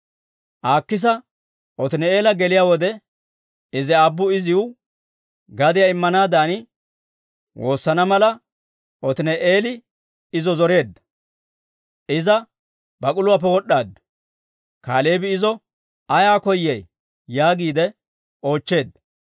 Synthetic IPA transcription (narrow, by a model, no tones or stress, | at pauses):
ʔaːkːɪs̬ɐ | ʔɔt̪ɪnɛe̞ːlɐɡɛlɪjaːwɔd̪ɛ | ɪzɛɐbːʊɪzɪw | ɡɐd̪ɪjaɪmːɐnaːd̪aːnɪ | wʔo̞ːsːɐnɐmɐlɐ | ʔɔt̪ɪnɛʔeːlɪ | ɪzɔzɔɾe̞ːd̪ːɐ | ʔɪzɐ | bɐkʼʊlʊwaːp̬ːɛwɔɗːaːd̪ɐ̥ | kaːle̞ːbɪɪzɔ | ɐjaːkɔjːɛjː | aːɡiːd̪ɛ | o̞ːt͡ʃːe̞ːd̪ːɐ